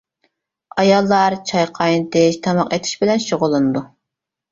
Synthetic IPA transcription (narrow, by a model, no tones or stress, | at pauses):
ɑjɑlˠːɑɾt͡ʃʰɑjqʰɑjnɨt̪ʰɪʃt̪ʰɑmɑqet̪ʰɪ̥ʃbɪlɛnʃoʁʊlˠːɨnɨd̪u